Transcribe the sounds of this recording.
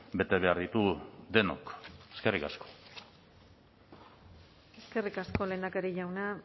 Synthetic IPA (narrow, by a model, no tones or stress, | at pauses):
be̞t̪e̞βe̞aɾðit̪ud̪e̞no̰keske̞rikasko̥ | eske̞rikasko̞le̞ːnd̪akeɾeʝawna